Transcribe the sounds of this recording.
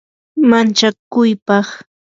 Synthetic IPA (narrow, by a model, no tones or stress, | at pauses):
mant͡ʃakʊjpɑχ